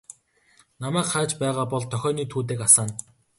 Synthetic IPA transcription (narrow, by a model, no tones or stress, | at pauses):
namæːkχaːt͡ɕpæːʁaːpɔɮt̪ʰœxʲɔːniːt̪ʰuːt̪̬eːkasaːn